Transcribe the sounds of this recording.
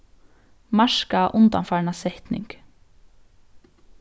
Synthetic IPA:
maʃkaʔʊnt̪ɑnfɑɹnɑsɛht̪nɪ̰ŋk

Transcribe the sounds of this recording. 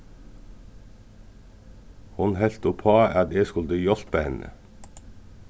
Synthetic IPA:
hʊnhɛlt̪ʊpʰoɑːʔɑt̪eːskʉld̪əjɔlpəhɛnə̰

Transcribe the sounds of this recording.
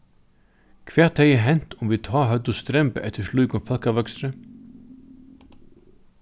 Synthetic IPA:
kʰvɛ̥ːt̪hɛjɪɦɛn̥t̪ʊmvit̪ʰɑːɦœt̪ʊst̪ɾɛmpəʔɛ̰t̪ɪsluːkʊnfalkaʋœksɾə

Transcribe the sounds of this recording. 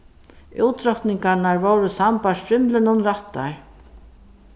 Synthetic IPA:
uwt̪ɾɔht̪nɪŋkanaɹvowɾʊsampasfɾɪmlɪnʊnɾaht̪ːa̰ɹ

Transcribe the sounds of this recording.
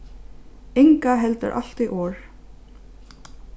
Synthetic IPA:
ɪŋkaɦɛlt̪ə̰ɾʔa̰l̥t̪iʔɔːɹ

